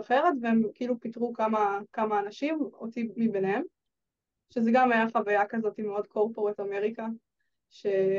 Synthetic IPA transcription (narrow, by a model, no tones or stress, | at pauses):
aχe̞ʁetveemkiilupitʁukamakamaːnaʃimot̪imibenehem | ʃezeɡamajaχavajakazo̞timeo̞dkʰo̞ʁpo̞ʁetameʁika | ʃe